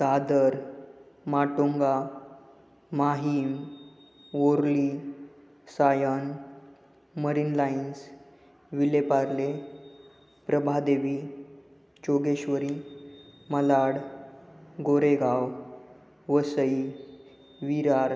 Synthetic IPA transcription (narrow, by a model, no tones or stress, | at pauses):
sad̪əɾ | maʈoŋɡa | maɦim | oɾli | sajən | məɾinlains | ʋilepaɾle | pɾəbʱad̪eʋi | t͡ɕoɡeɕʋəɾi | məlaɽ | ɡoɾeɡaw | ʋəsəi | ʋiɾaɾ